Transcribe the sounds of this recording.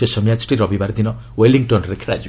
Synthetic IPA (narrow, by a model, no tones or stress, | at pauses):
esɔmjad͡ʒʈiɾɔbibaɾd̪inɔ | weliŋʈɔnɾekʰeɾa̰d͡ʒ